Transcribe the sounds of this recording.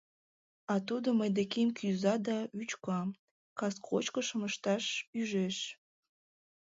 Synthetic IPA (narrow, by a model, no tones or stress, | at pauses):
ɑt̪ud̪oməjd̪ekemkʰyzɑd̪ɑyt͡ɕkɑ | kɑskʰot͡ɕkə̆ʃə̆məʃt̪ɑʃyʒeʃ